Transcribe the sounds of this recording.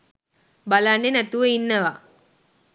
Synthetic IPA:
balanːenæt̪uʋəinːəʋa

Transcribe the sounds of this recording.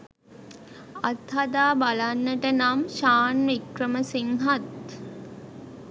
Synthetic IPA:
at̪had̪aːbalanːəʈənamʃaːnʋikrəməsiŋɦat̪

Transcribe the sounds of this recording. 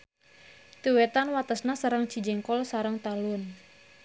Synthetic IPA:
t̪iwɛt̪anwat̪əsnasaɾəŋt͡ʃid͡ʒɛŋkɔlsaɾəŋt̪alʊn

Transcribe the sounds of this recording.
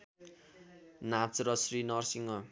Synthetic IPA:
nat͡srʌsrinʌrsiŋɡʌ

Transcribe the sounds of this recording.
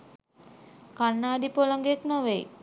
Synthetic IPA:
kanːaːɖipolaŋɡeeknaʋej

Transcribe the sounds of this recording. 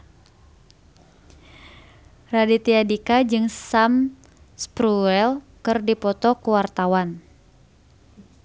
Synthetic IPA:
radit̪iadikad͡ʒɨŋsam | spɾuɛl | kɨrdipɔt̪ɔkuwart̪awan

